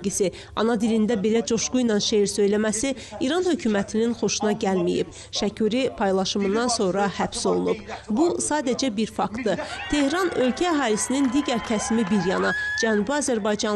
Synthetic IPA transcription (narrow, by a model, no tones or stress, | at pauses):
ɡisi | ɑ̰nɑd̪ilind̪æbe̞læd͡ʒo̞ʃɡujnɑnʃejɾsø̞jlæmæsi | iɾɑnhø̞cʰuːmæt̪ʰininχo̞ʃunɑɟælmijḭb̥ | ʃæcʰyɾipʰɑjlˠɑʃɯmɯnd̪ɑnso̞nɾɑhæb̥so̞lˠunubbusɑːd̪æd͡ʒæbiɾfɑkt̪d̪ɯt̪ʰe̞hɾɑnø̞lcʰæːɦɑːlisinind̪iːɟæɾcʰæsmibiɾjɑnɑd͡ʒænuːbiɑzæɾbɑjd͡ʒɑn